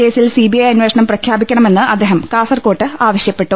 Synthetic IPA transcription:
e̞ːsilsiːbijɐjɐnʋeʂɐɳɐmprɐkʰjaːbikʲːɐɳɐme̞nːɨʔɐd̪ːeːɦɐmkaːsɐrko̞ːʈːɨaːʋɐɕjɐpːe̞ʈːu

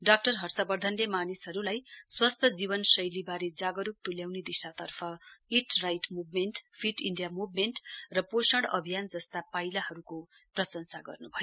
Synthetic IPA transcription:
ɖak̚ʈʌrɦʌrsʌbʌrd̪ʱʌnlemanisɦʌɾulajswast̪ʰʌd͡zibʌnsʌjlibaɾed͡zaɡʌɾup̚t̪uljawned̪isat̪ʌrpʰʌiʈrajʈmubʱmenʈpʰiʈiɳɖijamubʱmeɳʈrʌposʌɽʌ̰bʱijand͡zʌst̪apailaɦʌɾuko | prʌsʌnsaɡʌ̰rnubʱʌjo

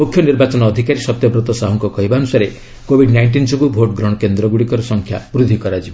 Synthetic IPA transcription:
mukʰjɔniɾbat͡ʃɔnɔːd̪ʱikaɾisɔt̪jɔbɾɔt̪ɔsaɦɔŋkɔkɔɦibaɔnusaɾe | kobʱiɖnajɳʈ̬insɔŋkubʱoʈɡɾɔɽ̃ɔkend̪ɾɔɡuɽikɔɾɔsɔŋkʰja̰bɾud̪ʱikɔɾad͡ʒibɔ

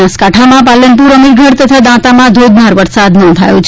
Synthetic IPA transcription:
askaʈʰamãpalənp̬uɾəmiɾɡʱəɽt̪ət̪ʰad̪ãt̪amãd̪ʱod̪naɾʋəɾsad̪nɔ̃nd̪ʱa̰jũt͡ʃʰ

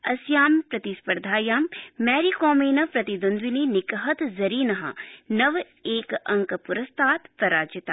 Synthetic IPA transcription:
ɐsjaːmpɾɐt̪ispɐɾd̪ʱaːjaːmːɛːɾikoːmeːnɐpɾɐt̪id̪ɐnd̪ʋininɪkɦɐt̪zɐɾiːnɐɦɐ̰nɐʋ | eːkɐ̃ŋkpʊɾɐst̪ʰaːt̪pɾɐɾaːd͡ʒɪt̪aː

